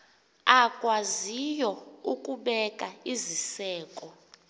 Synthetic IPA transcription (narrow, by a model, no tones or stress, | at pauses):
akʼwazijɔukʼuɓɛkʼaizisɛːkʼɔ